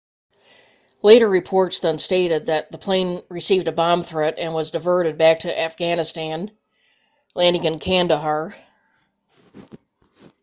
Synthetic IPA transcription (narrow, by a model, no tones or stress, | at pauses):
leɪɾə˞ɹɨpʰɔɹtsðə̃nsteɪɾɨd̪̚ðɨt̪̚ðəpʰl̥ẽɪ̃nɹɨsivdɨbɑ̃mθɹɛɾɨ̃nwʌzdɨvɜ˞ɾɨd̚bæk̚tʰɨʔæfɡ̥ænɨstæ̃n | læ̃ndɪ̃ŋɨ̃nkʰæ̃ndəɦɑɹ